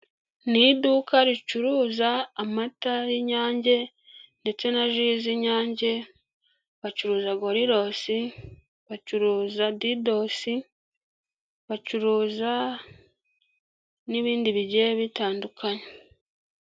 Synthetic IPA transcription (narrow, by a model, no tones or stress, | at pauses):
nidukaɾit͡ʃuɾuːzaːmatajiɲaːɲɟe̞ | nde̞t͡se̞naʒiziɲaːɲɟe̞ | βat͡ʃuɾuːzaɡo̞ɾiɾo̞si | βat͡ʃuɾuːzadido̞si | βat͡ʃuɾuːza | niβiːndiβiɟeβitaːndukaɲe